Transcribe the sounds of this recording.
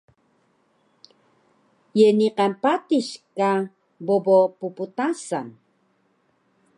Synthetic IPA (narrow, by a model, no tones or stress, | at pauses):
jeniqanpatiɕka | bobopuput̪asan